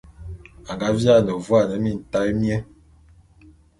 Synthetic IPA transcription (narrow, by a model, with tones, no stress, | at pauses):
a˨ŋɡa˨˦vja˦˨nə˨vwa˦˨nə˨˦mi˦˨n̩˨ta˦jmjɛ˦